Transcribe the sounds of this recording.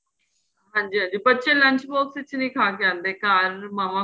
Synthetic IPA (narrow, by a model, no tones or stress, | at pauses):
ɦãːɲd͡ʑiːɦãːɲd͡ʑiːpɐtːt͡ʃʰẽlɐ̃ɲt͡ʃboːksɪt͡ʃʰnĩːkʰaːk̬eãːnd̪ekaːɾmaːʋã